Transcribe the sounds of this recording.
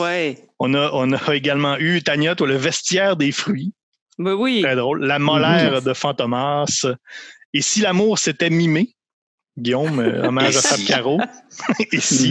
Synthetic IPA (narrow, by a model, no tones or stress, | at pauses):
wɛɔ̃nʌʔɔ̃nʌeɡalmɑ̃yt̪aɲɔt̪waləvɛst̪jɛːʁd̪efʁɥi | wɛwiʁɛd̪ʁɔʊlːamɔlɛːʁd̪əfɑ̃t̪ɔmas | esilamuːʁset̪ɛmime | ɡʲijɔ̃m̰ɔ̰maʒasakʲaʁo | esi